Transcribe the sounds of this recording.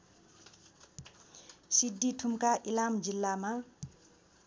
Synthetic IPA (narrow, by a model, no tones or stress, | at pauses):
sid̪ːiʈʰumkaʔilamd͡zilːama